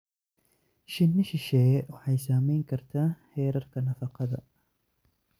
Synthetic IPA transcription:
ʃɪnːɪʃɪʃɛːwɑħɑjsaːmɛjŋkʰɐrt̪ʰaːħɛːɾɐrkʰɐnɐfɑqɑðɐ̰

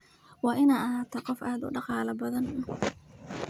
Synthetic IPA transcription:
wɑːʔɪnaːɐɦaːt̪ʰɐqɔfʔaːd̪ʊ̰ɖɑqɑːlɐbɐðɐnʊ

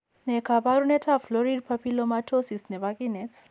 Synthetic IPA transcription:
nɛkʰapaɾunɛtʰaflɔɾid̚pʰapʰilɔmatʰosisnɛβakʼinɛt͡sʰ

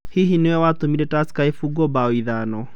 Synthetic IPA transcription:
hiɦinewɛwatomiɾɛtaskaifuɡɔbaoiðanɔ

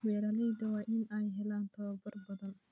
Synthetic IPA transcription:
wɛːɾaːlɛjd̪ɐwɑːʔɪnɛjɦɛlaːnt̪ʰɐβɐbɐrbɐðɐn

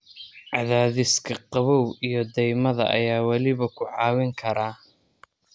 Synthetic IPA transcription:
ʕɑðaːðɪskʰɐqɑβɔwijɔd̪ɛjmɐðɐ̰ʔɐ̰jaːwɐlɪβɐkʰʊʕɑːwɪŋkʰɐɾaː

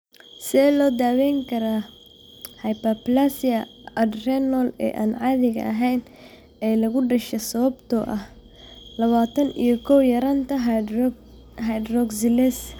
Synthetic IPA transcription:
sɪɛːlɔːd̪aːwɛjŋkʰɐɾaː | hɐjpɐplasɪɐɐd̪rɛnɔlɛ̰ːʔa̰ːnʕɑːðɪɣɐ̰ʔɐɦɛjn | ɛːjlɐɣʊɖɐʃɛsɐβɐbt̪ʰɔʔɐh | lɐβaːt̪ʰɐnḭjɞkʰɔwjɐɾɐnt̪ʰɐɦ | ɦɐjd̪rɔɡsɪlɛs

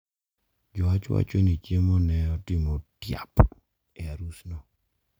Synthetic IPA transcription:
d͡ʒɔat͡ʃwa̰t͡ʃonit͡ʃemɔnɛɔtɪmotja̰p | ɛaɾusnɔ

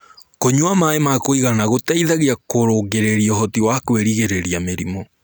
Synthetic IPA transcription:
koɲuamaemakoiɣanaɣotɛiðaɣiakoɾoɡeɾeɾiɔɦɔtiwakweɾiɣeɾeɾiameɾimɔ

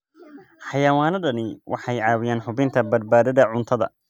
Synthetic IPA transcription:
ħɑjɐwaːnɐɖɐnɪwʔɑ̰ħɑjʕɑːwɪjaːnħʊbɪnt̪ʰɐbɐd̪̚baːðɐðɐʕʊnt̪ʰɐðɐ̰

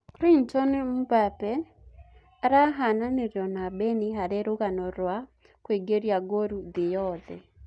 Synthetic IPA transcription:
kɾintɔnm̩bapɛ | ɾaɦananiɾjɔnabɛniɦaɾeɾoɣanɔɾwa | kweɡeɾjaɡoɾuðɪjɔðɛ

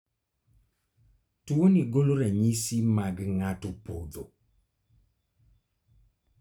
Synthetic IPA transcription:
tuoniɡoloɾɛɲisimaɡŋatʊpod̪o

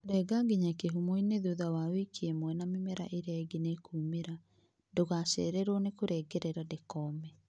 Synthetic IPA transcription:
ɾɛɡaɡeɲakeɦumoineðuðawawekiemwɛnamemɛɾa̰ʔeɾaɛɡenekuːmeɾa | ndoɣaʃɛ̰ɾɛɾwɔnekoɾɛːɡɛɾɛɾadekɔmɛ

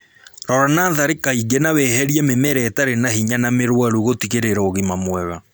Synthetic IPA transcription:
ɾɔɾanaːðaɾekaiɡenaβɛɦɛɾiɛmemɛɾɛtaɾenahiɲanameɾwaɾuɣotiɣeɾeɾɔːɣimamwɛɣa

